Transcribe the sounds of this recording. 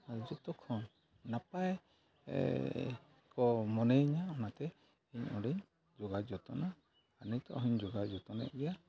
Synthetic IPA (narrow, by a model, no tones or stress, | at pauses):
ad͡ʒɔt̪ɔkʰɔn | napaj̰ | kɔmɔnɛɲaɔnat̪ɛ | iɲɔɽɛɲ | d͡ʒɔɡad͡ʒɔt̪ɔnaː | nit̪ɔ̰ʔɦiɲd͡ʒɔɡad͡ʒɔt̪ɔna̰ija